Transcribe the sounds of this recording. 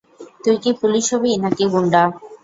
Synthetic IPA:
t̪ujkipuliʃobienakiɡoɳɖa

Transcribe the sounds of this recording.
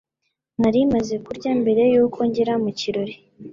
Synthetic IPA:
naɾimazekuɾɟambe̞ɾe̞juːkʰo̞ɲɟeɾamuciɾo̞ɾi

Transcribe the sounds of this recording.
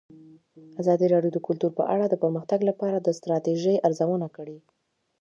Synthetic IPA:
azɑd̪iɾɑɖjod̪əkʊlt̪uɾpə̰ʔaɽad̪əpəɾməxt̪aɡlapɑɾad̪əst̪ɾɑt̪eʒəjʔaɾzawənakəɽi

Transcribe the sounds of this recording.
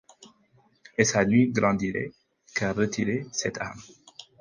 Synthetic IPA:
esanɥiɡɾɑ̃d̪iɾḛ | kaʁət̪ʰiɾesɛt̪ʰa̰m

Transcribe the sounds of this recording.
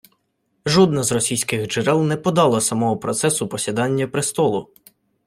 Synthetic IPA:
ʒɔd̪nɐzrɔsʲijsʲkɪɣd͡ʒɪɾɛlˠnɛpɔd̪ɑlˠɐsɐmɔɦɔpɾɔt̪sɛsʊpɔsʲid̪ɑnʲːɐpɾɪst̪ɔlˠʊ

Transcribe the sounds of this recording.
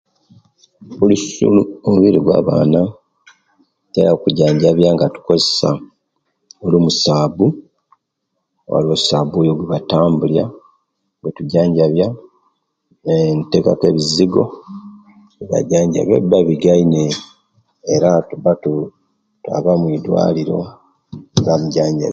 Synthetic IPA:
ulussṵluomuβiɾiɡwa̰ːβa̰ːna | teɾakuɟaːɲɟaβjaŋɡatu̥ko̞zesa̰ | olumusaːβu | wa̰lwosaːβojoɡweβataːmbulja | ɡwetuɟaːɲɟaβja | ente̞kakwe̞βiziɡo̞̰ | iβa̰ɟaːɲɟa̰βjḛbaβiɡaineː | ɾatuβatu | twa̰βamwidwa̰ːliɾo̞̰ | ɡamuɟaːɲɟa̰

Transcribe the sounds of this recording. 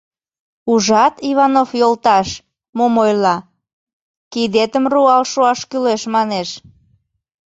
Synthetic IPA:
uʒɑt̪iβɑnofjolt̪ɑʃ | momojlɑ | kid̪et̪əmruɑlʃoɑʃkyleʃmɑneʃ

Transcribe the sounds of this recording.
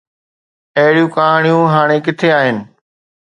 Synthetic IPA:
ɐɦɪɽijũːkaːɦaːɽ̃ijũːɦaːɽ̃ekɪt̪ʰeaːɦɪnɪ̆

